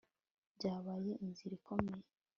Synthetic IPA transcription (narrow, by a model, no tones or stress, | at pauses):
ɟaːβaje̞ʔinziɾiko̞meje